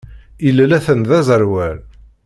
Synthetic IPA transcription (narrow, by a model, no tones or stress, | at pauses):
ilælæθənðæzəɾwæl